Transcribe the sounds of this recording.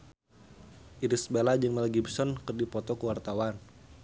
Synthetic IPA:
ʔiɾisbelad͡ʒɨŋmɛlɡibsɔnkɨrdipɔt̪ɔkəwart̪awan

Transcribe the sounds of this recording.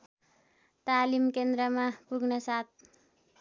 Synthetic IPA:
t̪alimkend̪ɾʌmapuɡnʌsat̪̚ʰ

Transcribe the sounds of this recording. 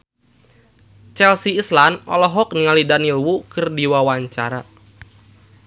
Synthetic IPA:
t͡ʃɛlsiːslanɔ̰lɔɦɔk̚niŋalidanilwukɨrdiwawaɲt͡ʃa̰ɾa

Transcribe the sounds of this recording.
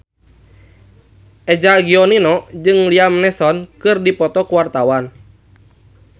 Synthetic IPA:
ʔɛd͡ʒaɡiɔninɔd͡ʒɨŋliamnɛsɔnkɨrdipɔt̪ɔkuwart̪awan

